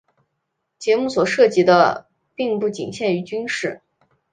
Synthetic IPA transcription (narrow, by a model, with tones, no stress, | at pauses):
t͡ɕjɛ˧˥mu˥˩swɔ˨˩ʂɤ˥˩t͡ɕi˧˥d̪ə̰˧ | pi˥˧ŋpu˥˩t͡ɕḭ˨˩ŋɕjɛ˥˩ny˧˥t͡ɕy˥nʂɻ̩˥˩